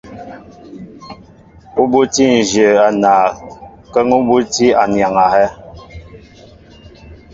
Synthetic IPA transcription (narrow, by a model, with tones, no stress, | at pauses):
u˦bu˦ti˦n̩˨ʒə˨a˨naː˨ | kə˦ŋu˦bu˦ti˦a˨nja˨ŋa˨hɛ˦